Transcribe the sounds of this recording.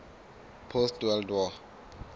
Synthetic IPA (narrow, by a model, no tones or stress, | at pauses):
pʰostwɛldwɔ